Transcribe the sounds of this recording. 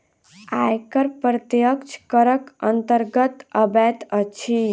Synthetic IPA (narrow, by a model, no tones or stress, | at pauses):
ajkəɾpɾət̪jəkt͡ʃʰkəɾəkənt̪əɾɡət̪əbɛt̪ət͡ʃʰi